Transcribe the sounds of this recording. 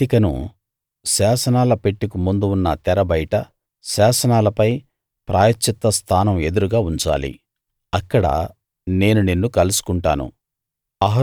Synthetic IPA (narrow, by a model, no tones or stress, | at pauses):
ikɐnṵ | ʃaːsɐnaːlɐpeʈːikumund̪uːnːɐ̰t̪ɛɾɐbɐjʈɐ | ʃaːsɐnaːlɐpɐj | pɾaːjɐt͡ʃːit̪ːɐst̪ʰaːnɐme̞d̪uɾuɡaːuɲt͡ʃa̰ːlḭ | ɐkːɐɽɐ̰ | ne̞ːnunenːukɐlusu̥kuɳʈa̰ːnṵ | ɐɦɐ